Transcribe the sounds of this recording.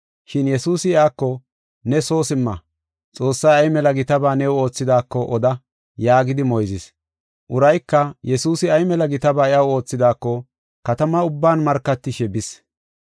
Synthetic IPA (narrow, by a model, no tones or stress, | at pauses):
ʃɪnjɛsuːsɪɪaːkːɔ | nɛso̞ːsɪmːɐ | t͡sʼo̞ːsːɐjɐjmɛlɐɡɪt̪ɐbaːnɛwo̞ːt͡sːɪd̪aːkːɔʔɔd̪ɐ | jaːɡɪd̪ɪmɔjzɪs | ʔʊɾɐjkːɐjɛsuːsɪɐjmɛlɐɡɪt̪ɐbaːɪʔɐwo̞ːt͡sːɪd̪aːkːɔ | kɐt̪ɐmɐʊbːaːnmɐɾkːɐt̪ːɪʃɛbɪs